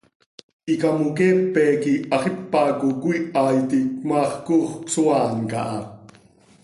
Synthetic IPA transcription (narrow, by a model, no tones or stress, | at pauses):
ikɑmukeːpːɛːkiɑχipːɑkukuiʔɑːjt̪ik̚mɑːχkuːχksuɑːnkɑ̰ʔɑ